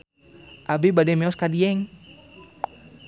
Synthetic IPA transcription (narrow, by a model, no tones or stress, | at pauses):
ʔabebadɛmɛɔskadiɛŋ